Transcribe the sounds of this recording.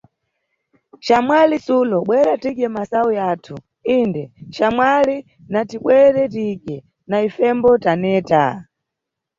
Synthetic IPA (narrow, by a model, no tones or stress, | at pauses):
ʃamwalisulɔɓwɛɾatikɛmasaujaːtʰu | indɛʃamwali | natiɓwɛɾɛtikɛ | naifɛmbɔtanɛːta̰